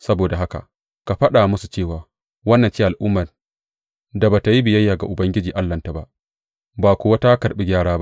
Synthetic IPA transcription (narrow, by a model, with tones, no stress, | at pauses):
sɐ˦boː˨da˨ɦa˦ka̰˨ʔ | ka˨ɸɐ˦ɗaː˨mʊ˦su˨t͡ʃeː˦˨waː˨ | wɐ˦nːɐ˨nt͡ʃi˦ʔa˨lʔʊ˦mːɐ˨n | da˨ba˨ta˨ji˦bɪ˨jɐ˦jːaː˨ɡa˨ʔʊ˨bɐ˦ŋɡʲɪ˦d͡ʒiː˨ʔa˦lːɐ˨nta˨ba˦ʔ | baː˨kʷʊː˨wa˦ta˦kɐ˨ɓi˦ɡʲaː˦ɽaː˦ba˦